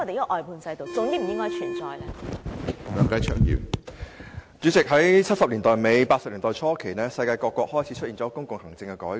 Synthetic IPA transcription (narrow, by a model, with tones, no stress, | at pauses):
ɔ˧e˨jʔɔː˨jpʰuː˧nsɐ˧jt̪o˨wt͡sʊ˨˧ŋt̪iː˥m̩˨˩jɪ˥ŋːkɔː˥jt͡ʃʰyː˨˩nt͡sɔː˨˧jlɛː˦˥˨ | lœː˨˥ŋkɐ˨˥jt͡ʃʰœ̰˥ŋjḭ˨˩w | t͡ʃyː˨˥t͡sɪ˨k̚ɦɐ˨˥jt͡sʰɐ˥t̚sɐ˨p̚liː˨˩nt̪ɔː˨˩jme˨˧jpaː˧t̚sɐ˨p̚liː˨˩nt̪ɔː˨˩jt͡sʰɔː˥kʰe˨˩jnɛː˥sɐ˧jkaː˧jkɔː˧kːwɔː˧k̚hɔː˥jt͡sʰi˨˥t͡ʃʰɵ˥t̚ʔiː˨nt͡sɔː˨˥kʊ˥ŋkʊ˨ŋhɐ˨˩ŋt͡sɪ˧ŋkɛ˧kɔː˨˥